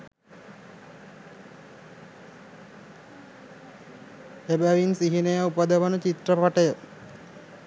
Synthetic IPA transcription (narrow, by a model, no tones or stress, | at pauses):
ebæʋinsiɦinəjəupəd̪əʋənət͡ʃit̪rəpaʈəjə